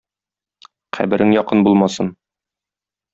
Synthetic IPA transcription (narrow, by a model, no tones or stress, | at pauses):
qæ̰bɘ̆ɾʔɘŋjɒqɤnbulˠmɑsɤn